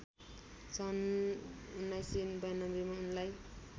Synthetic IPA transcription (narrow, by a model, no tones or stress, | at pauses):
sʌn | unajsinbajnʌmɾimaunlaj